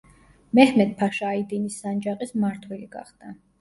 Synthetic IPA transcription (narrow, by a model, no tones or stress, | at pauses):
mɛhmɛt̪̚pʰaʃaːid̪inisːand͡ʒaqʼismaɾt̪ʰwɛliɡ̥a̰χd̪̥a